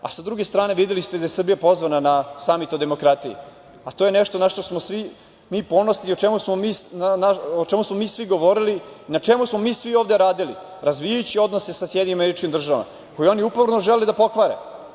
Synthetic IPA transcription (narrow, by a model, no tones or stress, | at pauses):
a̰sad̪ɾuɡe̞st̪ɾaːne̞ʋid̪elist̪ed̪ajesr̩bijapo̞zʋananasamit̪od̪e̞mo̞kɾat̪ijḭ | at̪oːjeneʃt̪o̞naʃt̪osmosʋi | miːpo̞no̞sniot͡ʃemusmomiːsnanaot͡ʃemusmo̞miːsʋiɡo̞ʋo̞ɾiliːnat͡ʃemusmo̞miːsʋioːvd̪e̞ɾaːd̪ili | ɾazʋijajut͡ɕio̞d̪nose̞sasjɛd̪ɲʲimameɾit͡ʃkimd̪r̩ʒaʋa̰ma̰ | ko̞jio̞niupovɾnoʒeled̪apo̞kʋaɾe